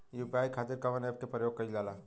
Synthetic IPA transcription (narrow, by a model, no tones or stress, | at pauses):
jupaːjkʰaːt̪ɪɾkɐʋəneːp̚kepɾəjoːɡ̚kɐilaːla